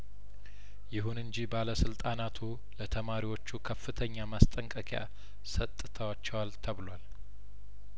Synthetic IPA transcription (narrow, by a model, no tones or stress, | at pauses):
jɪɦunɨɲd͡ʒibaləsɨlt̪ʼanat̪ʰu | lət̪ʰəmaɾiwo̞t͡ʃːukʰəfːɨt̪ʰəɲːamast̪ʼəŋkʼəkʰʼeja̰ | sət̪ʼːɨt̪ʰəwat͡ʃːɛwalt̪ʰəβlwal